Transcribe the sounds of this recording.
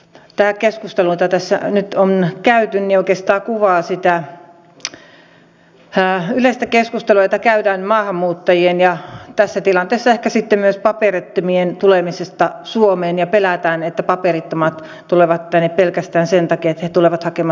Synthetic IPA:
t̪æːkeskust̪eluet̪ɑt̪æsːæ̰nyt̪onkæyt̪ynnioˑikeːst̪ɑːkuʋɑːsit̪æ | ylest̪ækeskust̪eluet̪ːækæytæːnmɑːhɑmːuːt̪ːɑjienjɑt̪æsːæt̪ilɑnt̪eːsːɑehkæsit̪ːemmyøspɑperet̪ːomient̪ulemisest̪ɑsuomeːnjɑpelæt̪æːnet̪ːæpɑperit̪ːomɑt̪ | t̪uleʋɑt̪t̪ænːeppelkæst̪æːnsent̪ɑkiet̪ːæhet̪uleʋɑt̪hɑkemɑ

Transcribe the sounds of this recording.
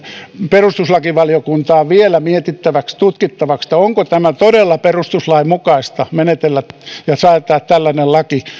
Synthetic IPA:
perust̪uslɑkiʋɑliokunt̪ɑːʋʋielæmiet̪it̪ːæʋækst̪ut̪kit̪ːɑʋɑkst̪ɑoŋkot̪æmæt̪odelːɑperust̪uslɑimukɑist̪ɑmenet̪elːæt̪jɑsɑːt̪ːˑɑːt̪t̪ælːænellɑki

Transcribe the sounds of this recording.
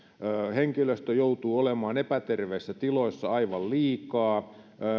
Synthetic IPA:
heŋkiløst̪øjout̪uːolemɑːnepæt̪erʋeːsːæt̪iloisːɑɑiʋɑlliːkɑː

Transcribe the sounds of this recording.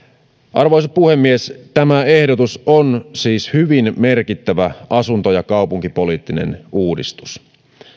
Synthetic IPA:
ʔɑrʋoijsɑpuhe̞mːiest̪æmæe̞hdot̪usonsiːshyʋinmerkit̪ːæʋæʔɑsunt̪ojɑkɑupuŋkipoliːt̪ːinḛnʔuːdḭst̪u̥s

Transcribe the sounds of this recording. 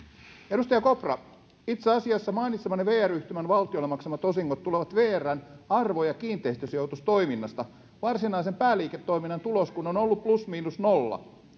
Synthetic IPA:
eɾust̪ɑjɑkoprɑ̰ | it̪seɑsiɑsːɑmɑinit̪semɑneʋeːæryht̪ymænʋɑlt̪iolːemɑksemɑt̪o̞siŋːot̪ːuleʋɑt̪ʋeːærːˑænɑrʋojɑkiːnt̪ˑeist̪øsjowt̪ust̪o̞iminːɑst̪ɑ | ʋɑrsinɑisempæːliːket̪ːo̞iminːɑnt̪uloskunonolːupplusmiːnusnolːɑ̰

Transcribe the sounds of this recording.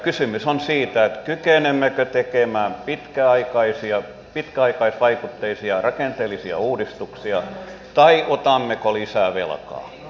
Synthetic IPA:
kysymysonsiːt̪æet̪kykenemːekøt̪ekemæːmpit̪kæɑikɑisiɑ | pit̪kæɑikɑisʋɑikut̪ːeisiɑrɑkent̪eːlisiɑ̰uːdist̪uksiɑ | t̪ɑiʔot̪ɑmːekolisæˑʋḛlkɑ̰ː

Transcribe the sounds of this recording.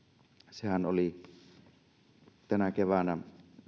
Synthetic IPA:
sehænoli | t̪ænækeʋænæ

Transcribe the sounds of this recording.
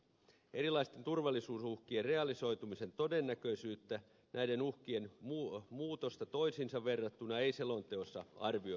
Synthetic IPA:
eɾilɑist̪e̞nt̪urʋɑlːisuːsuhkierre̞ɑliso̞jt̪umise̞nt̪o̞denːækø̞isyːt̪ːæ | nʔæidenuhkienmumuːt̪ost̪ɑt̪o̞isinsɑʋʋerːɑt̪ːunɑeiselo̞nt̪eosːɑ̰ɑ̰rʋio

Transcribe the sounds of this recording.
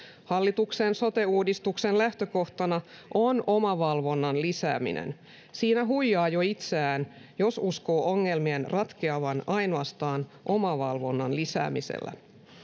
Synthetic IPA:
hɑlːit̪uksenso̞t̪euːdist̪uksenlæht̪øko̞ht̪ɑnɑ | ʔonomɑʋɑlʋo̞nːɑnlisæ̰ːmḭnḛn | siːnæɦujːɑːjoit̪seæːn | jo̞susko̞ːʔoŋːelmienrɑt̪keɑʋɑnɑjnoɑst̪ɑːnʔomɑʋɑlʋo̞nːɑnlisæ̰ːmisḛlːæ̰

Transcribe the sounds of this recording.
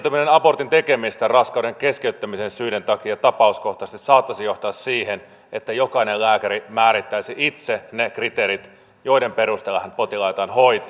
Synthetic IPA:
t̪æminenɑpo̞rt̪int̪ekemist̪ærɑskɑwdeŋkeskeyt̪ːæmisensyident̪ɑkiɑt̪ɑpɑusko̞ht̪ɑst̪issɑːt̪ːɑsijoht̪ɑːssiːhen | et̪ːæjokɑinellæːkæɾimæːɾit̪ːæisiʔit̪senekrit̪eːɾit̪ | jo̞idempeɾust̪elːɑhɑnpot̪ilɑit̪ɑːnhoit̪ː

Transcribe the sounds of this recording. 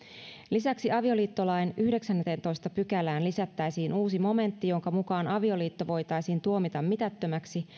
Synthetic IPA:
lisæksiɑʋio̞liːt̪ːo̞lɑjnyhde̞ksænːet̪ent̪o̞jst̪ɑpykælæːnlisæt̪ːæjsiːnuːsimo̞me̞nt̪ːijo̞ŋkɑmukɑːnɑʋio̞liːt̪ːo̞ʋo̞jt̪ɑjsiːnt̪uo̞mit̪ɑmmit̪æt̪ːømæksi

